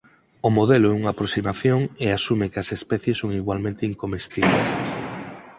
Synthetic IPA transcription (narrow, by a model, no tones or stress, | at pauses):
omoðeloʊɛuŋaːpɾosimaθjoŋeasumekɐsespɛθjesːoŋiɣwalmẽnt̪eiŋkomest̪iβlḛs